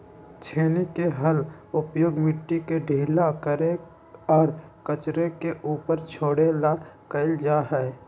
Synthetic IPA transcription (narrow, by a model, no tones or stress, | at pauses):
t͡ʃʰeːnekeɦəlʊpjoːɡmɪʈːikeɖʱeːlakəɾe | ɔːɾkət͡ʃɾekeʔuːpəɾt͡ʃʰoːɽelakəɪld͡ʒaːɦɛː